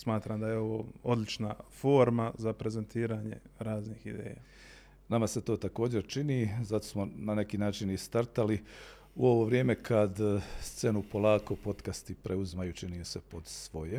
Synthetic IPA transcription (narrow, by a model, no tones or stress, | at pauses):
smaːt̪ɾamd̪ajeo̞ʋo̰ːo̞d̪lit͡ʃnafo̞ːɾmazapɾe̞zent̪ʰiːɾaːɲe̞̰ɾaːzniːhid̪ḛːja̰ː | namase̞t̪o̞ːt̪ako̞ːd͡ʑe̞ɾt͡ʃinizat̪o̞̥smonane̞kiːnaːt͡ʃinist̪aɾt̪ali | uo̞ʋo̞ʋɾjeːme̞kʰad̪st̪se̞nupo̞lˠaːko̞po̞t̪kast̪ipɾeuzmajut͡ʃiniːmse̞po̞d̪sʋo̞je